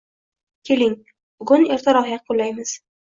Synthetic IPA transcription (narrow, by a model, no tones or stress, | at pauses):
kʲʰe̞lɪŋ | b̥ʊɡʊneɾt̪ʰaɾɒhjaolːajmɪz̥